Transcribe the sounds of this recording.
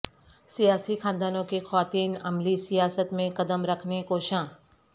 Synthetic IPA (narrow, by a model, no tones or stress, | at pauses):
sijaːsixãːnd̪aːnõkexɐʋaːt̪iːnɐmlisijaːsət̪mẽkɐd̪əmɾɐkʰnekoːʃãː